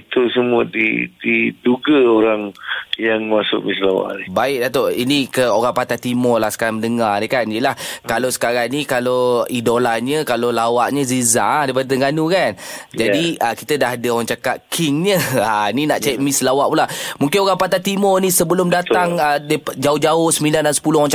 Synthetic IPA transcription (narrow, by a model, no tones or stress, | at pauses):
it̪usəmuədḭdiduɡəoɾaŋjaŋmasʊ̰ʔmislawa̰ʔnibaɪʔ̚dat̪oinikəoɾaŋpat̪at̪imɔlahsə̥kaɾaŋməndəŋarnikanijəlahkalosə̥kaɾaŋnikaloidolaɲəkalolawaʔɲəziza̰dajpadət̪əŋɡanukand͡ʒadiəkit̪ədaɦadəoɾaŋt͡ʃakat̪kʰɪŋɲəaninaʔt͡ʃaiʔmɪslawaʔpulahmuŋkɪnoɾaŋpat̪at̪imɔnisəbəlʊmdat̪aŋədpd͡ʒaʊhd͡ʒaʊhsəmilandansə̥pulʊaŋ